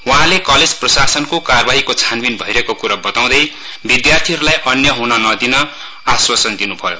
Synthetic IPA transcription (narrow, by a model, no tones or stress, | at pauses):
wuɦãlekʌled͡zprʌsasʌnkokarʌbaɦikot͡sʰanbinbʱʌiɾekokuɾabʌt̪aw̃d̪ʌj | bid̪jart̪ʰiɦʌɾulajʔʌnjʌɦunʌnʌd̪inʌ | aswat͡sʌnd̪inubʱʌjo̰